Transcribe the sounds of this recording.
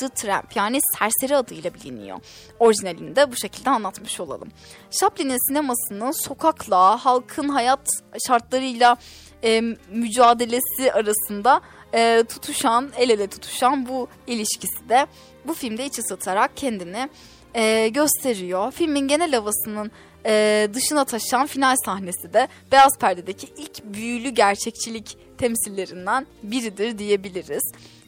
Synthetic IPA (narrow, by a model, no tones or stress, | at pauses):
d̪̥ɯt̪ʰɾæ̰mpjaːnisæɾse̞ɾiad̪ɯjlˠabilʲḭnḭjo̰ | o̞ɾiʒinelʲḭnd̪ɛbuʃe̞cʰilʲd̪ɛanlˠat̪mɯʃo̞lˠa̰lˠɯ̰m | ʃaplʲininsinemasɯnɯnso̞kʰaklˠaɦalˠkʰɯnɦajat̪ʃaɾt̪lˠaɾɯjlˠaː | myd͡ʒaːd̪e̞lʲe̞siʔaɾasɯnd̪aː | t̪ʰu̥t̪ʰuʃanelelʲɛt̪ʰu̥t̪ʰu̥ʃanbu | ilʲiʃcʰisid̪ɛ | bufilʲmd̪ɛit͡ʃʰɛsat̪ʰaɾak̚cʰɛnd̪inɪː | ɟø̞st̪ʰe̞ɾijofilʲminɟenɛlʲavasɯnɯn | ɛːd̪ɯʃɯnat̪ʰaʃanfinalʲsahne̞sid̪ɛ | b̥easpʰæɾd̪ed̪ecʰiʔilʲcbyjylʲyɟæɾt͡ʃʰɛct͡ʃʰilʲic | t̪ʰɛmsilʲːe̞ɾind̪ænbiɾid̪iɾd̪ije̞bilʲiɾiz̥